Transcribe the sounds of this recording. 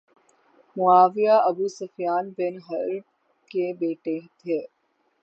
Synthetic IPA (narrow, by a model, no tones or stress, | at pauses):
muaːʋijaːʔɐbuːsɐfjaːnbenɦɐɾ | kebeːʈeɦt̪ʰe